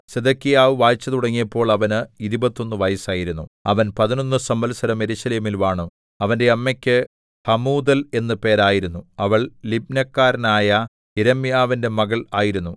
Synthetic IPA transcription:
sed̪ɐkːijaːʋɨʋaːjt͡ɕːɐðuɽɐŋːijɐpːo̞ːɭɐʋɐnɨiɾibɐt̪ːo̞nːɨʋɐjɐsaːjiɾunːuɐ̰ʋɐnpɐðino̞nːɨsɐmbɐlsɐɾɐme̞ɾuɕɐleːmilʋaːɳu | ɐʋɐnde̞ɐmːekʲːɨ | hɐmuːd̪ɐle̞nːɨpe̞ːɾaːjiɾunːuɐʋɐɭlib̚nɐkːaːɾɐnaːjɐ | iɾɐmːijaːʋinde̞mɐɣɐɭaːjiɾunːu

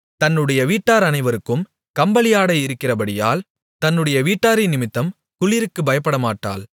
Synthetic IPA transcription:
t̪ɐnːɯɽɐjɐʋiːʈːaːɾɐnɐɪʋɐɾɯkːɯm | kɐmbɐlɪjaːɽɐɪɪɾɯkːɪrɐpɐɽɪja̰ːl | t̪ɐnːɯɽɐjɐʋiːʈːaːɾɪnɪmɪt̪ːɐm | kʊɭɪɾɯkːɯbɐjɐpːɐɽɐmaːʈːa̰ːl

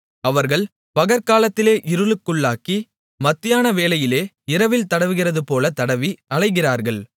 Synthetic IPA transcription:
ɐʋɐɾɣɐɭ | pɐɣɐɾkaːlɐt̪ːɪleːʔɪɾɯɭɯkːɯɭːaːki | mɐt̪ːɪjaːnɐʋeːlɐjɪleː | ɪɾɐʋɪlt̪ɐɽɐʋɯɣɪrɐðɯpoːlɐt̪ɐɽɐʋiɐɭɐɪɣɪraːɾɣɐɭ

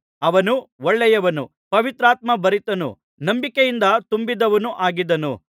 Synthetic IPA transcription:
ɐʋɐnuɔɭːɛjɐʋɐnṵ | pɐʋit̪ɾaːt̪mɐbɐɾit̪ɐnṵ | nɐmbikejind̪ɐt̪umbid̪ɐʋɐnuʔaːɡid̪ɐnṵ

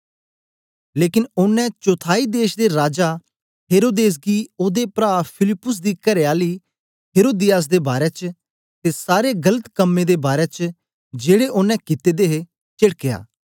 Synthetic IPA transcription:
leːkɪnʊnːɛ̃t͡ʃot̪ʰaːid̪eːʃd̪eɾaːd͡ʒa | ɦeːɾoːd̪eːs̬ɡioːd̪epɾaːpʰɪlɪpːʊs̬d̪iːkɐɾeaːliː | ɦeːɾoːd̪ɪjaːs̬d̪eːbaːɾɛt͡ʃ | t̪esaːɾeɡɐlət̪kəmːed̪ebaːɾɛt͡ʃ | d͡ʒeːɽeʔʊnːɛ̃kɪt̪ed̪eːɦe | t͡ʃɪɽkeja̰ː

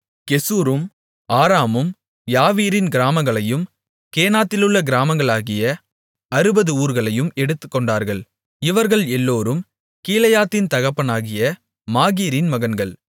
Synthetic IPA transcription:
kɛsuːɾɯm | aːɾaːmɯm | jaːʋiːɾɪnɡɪɾaːmɐŋɡɐɭɐjɯm | keːnaːt̪ːɪlɯɭːɐɡɪɾaːmɐŋɡɐɭaːɣɪjɐ | ɐɾɯbɐðɯuːɾɣɐɭɐjɯmɛɽɯt̪ːɯkːɔɳɖaːɾɣɐɭ | ɪʋɐɾɣɐɭɛlːoːɾɯm | kiːlɐjaːt̪ːɪnt̪ɐɣɐpːɐnaːɣɪjɐ | maːɣiːɾɪnmɐɣɐnɡɐɭ

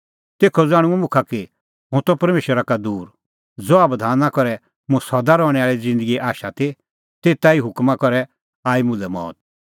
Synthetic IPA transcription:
t̪eːkʰɔd͡zaːɽ̃ʊ̃ɛmʊ̃kʰaki | ɦʊ̃t̪ɔpɐɾmeːʃəɾakad̪uːɾ | d͡zɔaːbd̪ʱaːnakɔɾɛ | mʊ̃sɔd̪aɾɔːɽ̃ɛaːɭid͡zɪ̃nd̪əɡiʔaːʃat̪i | t̪eːt̪aiɦʊkmakɔɾɛ | aːimʊ̃lɛmɔ̰ːt̪̚

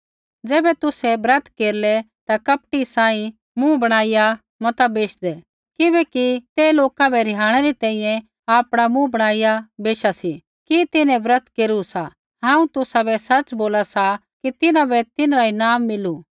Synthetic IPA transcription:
d͡zɛːbɛt̪ʊsɛbɾɐt̪ʰkeːɾlɛ | t̪akɐp̚ʈisãːĩ | mũbɐɽ̃aːija | mɐt̪abeːʃd̪ɛ | kɪbɛːkit̪eːloːkabɛɾɪɦaːɽ̃ɛɾit̪ɛ̃ĩjɛ̃ | aːpɽ̃amũbɐɽ̃aːijabeːʃasi | kit̪ɪnɛ̃bɾɐt̪ʰkeːɾusa | ɦãːũt̪ʊsabɛsɐt͡ʃboːlasa | kit̪ɪnãbɛt̪ɪnɾainaːmːɪlu

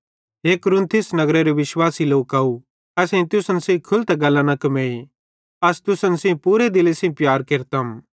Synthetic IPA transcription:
ɦeːkʊɾʊ̃nt̪ʰɪsnɐɡɾeɾiʋɪʃwaːsiloːkaːu | ɛsẽt̪ʊsənsĩkʰʊlt̪ɛɡɐlːãnɐkɐmẽːi | ɐst̪ʊsənsĩpuːɾed̪ɪlesĩpjaːɾkeɾt̪am

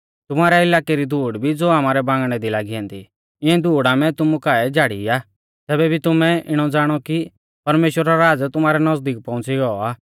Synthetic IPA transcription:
t̪ʊmaːɾɛɪlaːkɛɾid̪ʱuːɽbʱid͡zoːaːmaːɾɛbãːŋɡɽ̃ɛd̪ilaːɡiãːnd̪ḭ | ɪ̃ɛ̃d̪ʱuːɽamɛ̃t̪ʊmukaːɛd͡ʒaːɽḭaː | t̪ɛːbɛbʱit̪ʊmɛ̃ʔɪɽ̃ɔd͡zaːɽ̃ɔki | pɐɾmeːʃwəɾaɾaːd͡zt̪ʊmaːɾɛnɐzd̪iːk̚pɔ̃ʊ̃t͡siɡɔaː

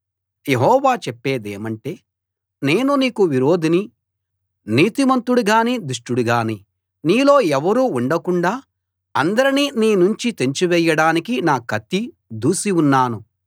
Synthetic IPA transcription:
je̞ɦɔːʋaːt͡ʃɛpːe̞ːd̪eːmɐɳʈe̞ː | ne̞ːnuniːkuʋiɾo̞ːd̪ini | niːt̪imɐnt̪uɽuɡaːnid̪uʂʈuɽuɡaːni | niːlo̞ːɛʋɐɾuːuɳɖɐkuɳɖaː | ɐnd̪ɐɾininiːnuɲt͡ʃit̪e̞ɲt͡ʃuʋɛːjɐɽaːnikinaːkɐt̪ːi | d̪uːsiunːaːnu

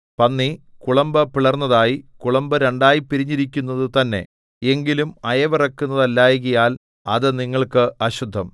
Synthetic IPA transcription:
pɐnːikuɭɐmbɐpiɭɐrnːɐðaːjikuɭɐmbɐɾe̞ɳɖaːjipːiɾiɲːiɾikʲːunːɐðɨt̪ɐnːe̞̰ | eŋɡilumɐjɐʋirɐkːunːɐðɐlːaːjiɣɐjaːl | ɐðɨniŋːɐɭkɨɐɕud̪ʱːɐm

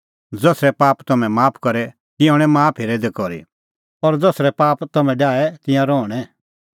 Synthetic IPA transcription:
d͡zɔːsɾɛpaːpt̪ɐmɛ̃maːpʰkɐɾɛ | t̪ɪɔ̃ːɽ̃ɛ̃maːpʰeɾɛd̪ekɔɾḭ | ɔɾd͡zɔːsɾɛpaːpt̪ɐmɛ̃ɖaːɛt̪ɪ̃jãɾɔːɽ̃ɛ

